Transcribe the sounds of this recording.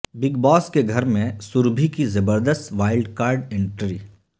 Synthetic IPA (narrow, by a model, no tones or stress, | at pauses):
bɪɡbɔːskeɡʱɐɾmẽsʊɾbʱikizɐbəɾd̪əst̪ʋaːɪlɖkaːɾɖẽɳʈɾiː